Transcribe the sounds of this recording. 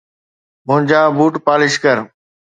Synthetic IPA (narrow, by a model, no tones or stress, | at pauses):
mʊ̃ɲd͡ʑaːbʱuːʈpaːlɪʃkəɾ